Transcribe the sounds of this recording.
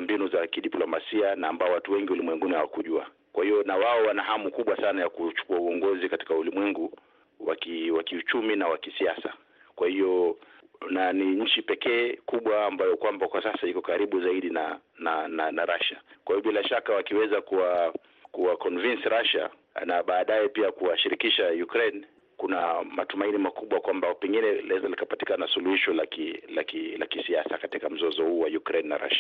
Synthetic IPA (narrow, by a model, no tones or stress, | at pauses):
mbinuzakiɗiplɔmasianaːmbaɔwatuwɛŋɡiulimwɛŋɡunihawakuʄua̰ | kwahijɔnawaɔwanahamukuɓwasanajakut͡ʃu̥kuauɔŋɡɔzikati̥kaulimwɛŋɡu | wa̰kiwakiut͡ʃuminawakisiasa̰ | kwahiɔ | naniɲ̩t͡ʃipɛkɛːkuɓwaːmbajɔkwambakwasasaikɔkaɾiɓuzaiɗinanananaɾaʃakwahiɔɓilaʃakawakiwɛzakuwa | kuwakɔnvinsɾaʃa̰ | naɓaːɗajɛpiakuwaʃiɾikiʃajukɾɛn | kunamatumainimakuɓwakwambapɛŋɡinɛlaɛzalikapati̥kanasuluhiʃɔlakilakilakisiasakatikam̩zɔzɔhuːwajukɾɛnːa̰ɾa̰ʃḁ